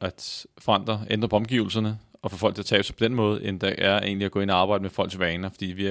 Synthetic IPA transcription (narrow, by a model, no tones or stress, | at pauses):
ʔæd̥fɒ̽ɑ̈n̰d̥ʁɐend̥ʁɐpʰɒ̽ɒ̽mɡ̥iʊl̩sɐnəɒ̽fɒ̽fɒl̰ɡ̥iæɐt͡sʰɛ̰ːb̥sapʰɒ̽d̥enmɔ̽ːð̞̩ˠʔend̥æʔæɐe̝ːnliæɡ̥ɔ̽e̝n̰iɑ̈ːb̥ɑ̈ɪ̰d̥əmefɒ̽l̰ɡsʋɛːnɐfɒ̽d̥ḭːʋi